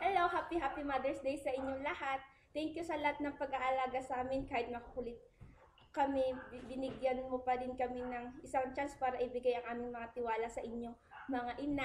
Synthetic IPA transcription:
hɛlowɦaːpiɦaːpimad̪ɛɹsd̪ejsɐʔɪɲːoŋlɐhat̪̚ːɛŋkjusɐlɐhat̪̚nɐŋpɐɡʔaʔɐlaːɡɐsʔaːmɪnkaːhɪt̪̚mɐkɐkʊlɪt̪̚ | kɐmɛbɪnɪɡjɐnmopɐɾɪnkɐmɛnɐŋʔɪsaŋt̪anspaːɾɐʔɪbɪɡajɐŋʔaːmɪŋmɐŋat̪ɪwaːlɐsɐʔɪɲːo̞ŋ | mɐŋaʔɪna

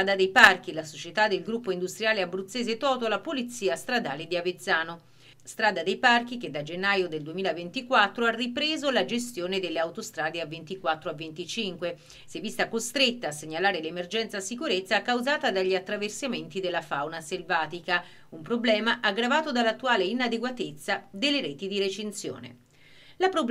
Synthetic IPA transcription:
ad̪ad̪ejpark̟ilasot͡ʃet̪ad̪ːelɡɾupːoind̪ust̪ɾijaːleabɾut̪sːeːzet̪ɔːt̪oalapolit̪sːiːast̪ɾad̪aːled̪iavet̪sːaːno | st̪ɾaːd̪ad̪ejpark̟ik̟ed̪ːad͡ʒenːaːjod̪eld̪uemiːlavent̪ikwat̪ːɾoarːipɾeːzolad͡ʒes̬t̪joːned̪elːeawt̪ost̪ɾaːd̪eavːent̪ikwat̪ːɾoavːent̪it͡ʃiŋkwe | sɛvːist̪akost̪ɾet̪ːaːsːeɲːalaːɾelemerd͡ʒɛnt̪sasikuɾet̪sːakawzaːt̪ad̪aʎːiat̪ːɾaversament̪id̪elːafawnaselvaːt̪ika | umpɾoblɛːmaʔaɡːɾavaːt̪od̪alːat̪ːuaːleinad̪eɡwat̪et̪sːad̪elːeɾɛːt̪id̪iɾet͡ʃensjo̰ːnḛ | lapɾob

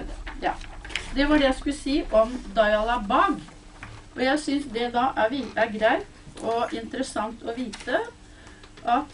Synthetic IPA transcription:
jɑːd̪ɛʋɑɖɛjæɪskʉləsiːʔɔmd̪ɑɪɑlɑbɑɡ | ɔjæɪsʏnsd̪ɛd̪ɑʔæʋiæɾɡɾæɪt̪ɔʔɪnt̪əɾəsɑŋt̪ɔʋiːt̪ə | ʔɑt̪

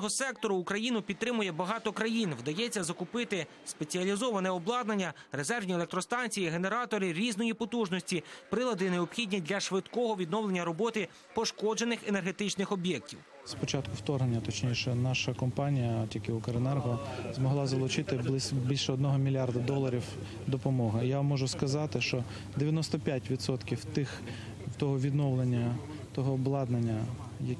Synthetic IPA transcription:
ɦɔsɛkt̪ɔɾʊːkɾɐjinʊpʲid̪̚t̪ɾɪmʊjɛbɐɦɑt̪ɔkɾɐjinʋd̪ɐjɛt͡sʲːɐzɐkʊpɪt̪ɪ | spet͡sʲiɐlʲizɔʋɐnɛɔblˠɑd̪nɐnʲːɐɾezɛrʋnʲielˠek̚t̪ɾɔst̪ɑnʲt͡sʲijiɦe̞ne̞ɾɑt̪ɔɾɪɾʲiznɔjipɔt̪uʒnɔsʲtʲipɾɪlˠɐd̪ɪneɔpxʲidʲnʲidʲlʲɐʃʋɪd̪kɔɦɔʋʲid̪nɔwlˠenʲːɐɾɔbɔt̪ɪ | pɔʃkɔd͡ʒe̞nɪxenerɦet̪ɪt͡ʃnɪxɔbʲjɛk̚tʲiw | spɔt͡ʃɑt̪kʊwt̪ɔrɦnenʲːɐt̪ɔt͡ʃnʲiʃɛnɑʃɐkɔmpɑnʲijɐt̪ʲjikɪʊkɐɾenɛrɦɔzmɔɦlˠɑzɐlˠʊt͡ʃɪt̪ɪb̪ˠɪbʲilʲʃɛɔd̪nɔɦɔmʲilʲiɑrd̪ɐd̪ɔlˠːɐɾʲiw | d̪ɔpɔmɔɦɪjamːɔʒʊskɐzɑt̪ɪʃt͡ʃɔ | d̪eʋʲjɐnɔst̪ɔpʲjatʲʋʲid̪sɔt̪kʲiwt̪ɪx | wt̪ɔɦɔʋʲid̪nɔwlˠenʲːɐ | t̪ɔɦɔblˠɑd̪nenʲːɐ | jɐ

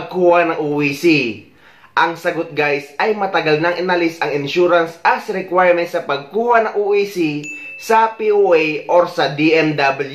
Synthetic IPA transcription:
ɡ̚kuːhanɐŋʔuːisi | ʔɐŋsɐɡot̪̚ɡajsɐjmɐt̪ɐɡalnɐŋʔɪnalɪsɐŋɪnʃuɾansɐsɾɛkwajɹmɛnt̪̚sɐpɐɡ̚kuːhanɐŋʔuʔisisɐpiʔuʔejʔoɾsɐd̪iʔɛmd̪abɐlj

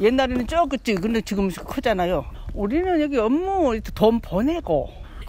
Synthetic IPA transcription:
je̞nːaɾenɯnt͡ɕ͈ʌk͈ːɯt͡ɕ͈ikɯndet͡ɕiɡɯmkʰɯd͡ʑanajouɾinɯnjʌɡiʌmːot̪ʰetompone̞ɡo̰

